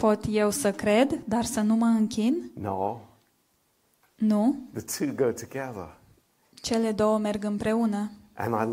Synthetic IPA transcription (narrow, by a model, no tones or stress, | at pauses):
po̞t̪je̞wsəkɾe̞d̪d̪arsənuməɨŋkʲinnoʊ | nuðɨtʰʉɡoʊtʰɨɡɛðə̰˞ | t͡ʃe̞le̞d̪o̞wəmerɡɨmpɾe̞unəʔɨ̰̃naɪ